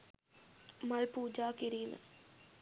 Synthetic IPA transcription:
mɐlpuːd͡ʒaːkiɾilɐ̰

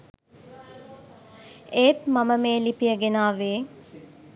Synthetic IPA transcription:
eːt̪maməmeːlipijəɡenaːʋeː

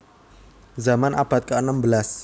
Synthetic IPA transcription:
zamanʔab̥a̤t̪̚kəənəmbəlas

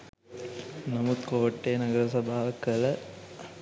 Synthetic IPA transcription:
nɐmud̪koːʈːeːnɐɡɐɾɐsɐbʱaːʋɐkɐlɐ

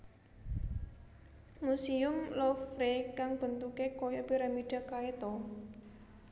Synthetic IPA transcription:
musiʊmlɔfɾekaŋb̥ə̤nt̪ukekojɔpiɾamiɖ̥a̤kaet̪ɔ

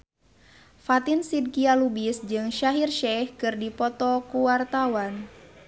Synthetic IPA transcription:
fat̪insid̚kialubisd͡ʒɨŋʃaɦirʃɛhkɨrdipɔt̪ɔkuwart̪awan

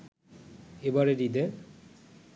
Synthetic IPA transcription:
ebaɾeɾid̪eɾ

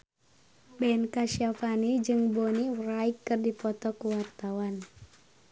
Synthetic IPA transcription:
bɛnkaʃafanid͡ʒɨŋboniraikːɨrdipɔt̪ɔkuwart̪awan

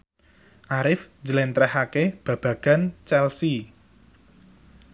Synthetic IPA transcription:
ʔaɾɪfd͡ʒəlɛnt̪ɾɛhakeb̥ä̤b̥ä̤ɡ̥a̤nt͡ʃɛlsi

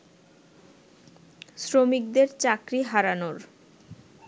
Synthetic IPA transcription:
sɾomik̚d̪eɾt͡ɕakɾiɦaɾanoɾ

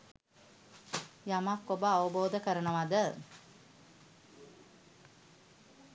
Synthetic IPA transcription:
jamakːobəaʋəboːd̪əkəɾənəʋad̪ə

